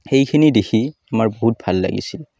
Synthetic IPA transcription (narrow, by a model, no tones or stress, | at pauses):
xejkʰinidexʰiamaɹboɦut̚bʱalːa̰ɡḭsil